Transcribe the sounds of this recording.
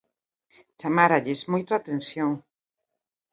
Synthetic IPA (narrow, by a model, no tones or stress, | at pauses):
t͡ʃamaɾaʎesmojt̪oat̪ẽn̟θjoŋ